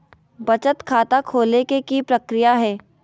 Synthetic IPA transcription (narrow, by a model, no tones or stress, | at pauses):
bɐt͡ʃət̪kʰaːt̪akʰoːlekekipɾəkɾijaɦɛː